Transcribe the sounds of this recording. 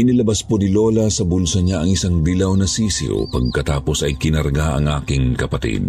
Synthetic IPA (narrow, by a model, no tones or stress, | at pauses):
ʔɪnɪlɐbaɐsponɪloːlɐsɐbulsɐɲaʔɐŋɪsaŋd̪ilɐwnɐsiːsɪ̰o̰pɐɡ̚kɐt̪aːpo̞sɐjkɪnɐɾɐɡaʔɐ̰ŋʔaːkɪŋkɐpɐt̪ḭd̪̚